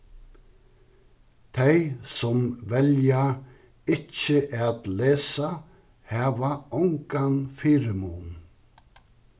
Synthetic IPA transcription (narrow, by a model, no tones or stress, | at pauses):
t̪ʰeɪsɔmʋɛlja | ɪc͡çəʔɛt̪leːsa | hɑːʋaʊŋkanfiːɾəmuːn